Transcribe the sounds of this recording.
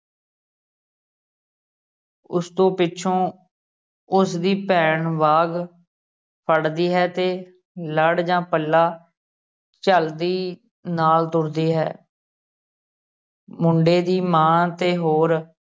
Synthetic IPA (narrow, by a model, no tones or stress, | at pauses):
ʊst̪õːpɪːʃʰõː | ʊsd̪iːpɛːɳʋaːɡ | pʰəɽd̪iːɦɛːt̪eː | ləɽd͡ʒãːpəlːaː | t͡ʃəld̪iː | naːlt̪ʊɽd̪iːɦɛː | mʊɳɖeːd̪iːmãːt̪eːɦoːɾ